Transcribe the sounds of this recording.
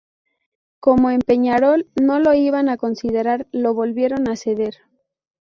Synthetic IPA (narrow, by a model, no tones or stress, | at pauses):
ko̞mo̞empe̞ɲaɾo̞lno̞lo̞iβanako̞nsið̞e̞ɾaɾlo̞βo̞lβje̞ɾo̞nase̞ðe̞ɾ